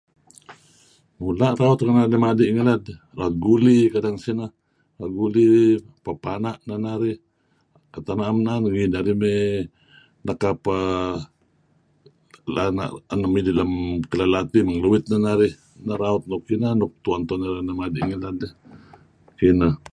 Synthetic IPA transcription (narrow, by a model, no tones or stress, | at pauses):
mulaɾaʊt̪kanaamadiʔŋilad̪ | raot̪̚ɡulikadaŋsina | aɡuli | papanaʔnanaɾi | kat̪anamnanɡinaɾimi | nakapa | lana̰ʔanamidilamkəlalat̪imaŋluwɪt̪̚nanaɾi | naɾaʊt̪̚nokinanʊk̚t̪uant̪onaɾanamadiʔŋilad̪ | kina